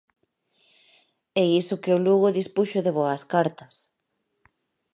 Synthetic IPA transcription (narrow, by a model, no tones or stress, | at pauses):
ɛisokeoluɣoðispuʃoðeβoɐskaɾt̪ɐs